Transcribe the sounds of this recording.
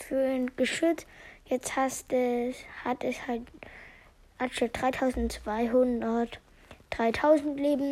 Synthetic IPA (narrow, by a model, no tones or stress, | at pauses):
fyːnɡ̥əʃʏt͡stjɛt͡sthasthatɛshalt | ʔatʃəd̥ʁaɪtʰaʊzn̩tt͡sv̥aɪɦʊndɐt | d̥ʁaɪtʰaʊzn̩tleːbm̩